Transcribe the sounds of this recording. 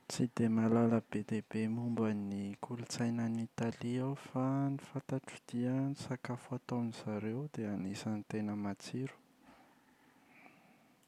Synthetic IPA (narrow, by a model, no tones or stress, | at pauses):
t͡sid̪emalaləbed̪ebemumbanikʰulut͡sajnanit̪aliawfanifat̪aʈ͡ʂid̪̥iənisakafuat̪aniz̥aɾewd̪eanesənit̪enəmat͡siɾu̥